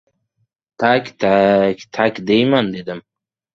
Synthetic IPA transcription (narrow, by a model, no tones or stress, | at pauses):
t̪ʰakʲt̪ʰakʲt̪ʰakʲd̪ejmand̪ed̪ɪm